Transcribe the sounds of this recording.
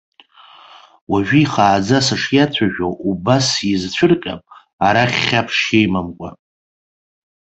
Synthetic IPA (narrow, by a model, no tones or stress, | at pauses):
waʒᶣiiχaːd͡zasaʂʰjat͡sʷʰaʒᶣoʔubasizt͡ɕʷʰʊrkʲʼa̰pʼ | aɾaχʲːapʰʂejmamkʷʼa̰